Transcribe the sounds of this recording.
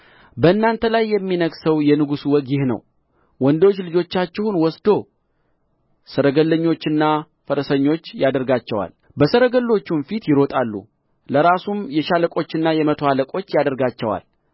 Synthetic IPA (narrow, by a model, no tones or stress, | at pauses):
bəɨnːant̪ʰəlajːɛmːinəɡsəwjɛnɨɡusuwɔɡjɪhnə̰w | wɔnd̪ot͡ʃːlɨd͡ʒo̞t͡ʃːat͡ʃːɛhunwɔsd̪o̞ | səɾəɡəlːəɲːo̞t͡ʃːɨnːa | fəɾəsəɲːo̞t͡ʃːjad̪əɾɡat͡ʃːɛwa̰l | bəsəɾəɡəlːo̞t͡ʃːumfit̪jɪɾo̞t̪ʼalːṵ | ləɾasumjɛʃaləkʼo̞t͡ʃːɪnːajɛmət̪ʰoaləkʼo̞t͡ʃːjad̪əɾɡat͡ʃːɛwa̰l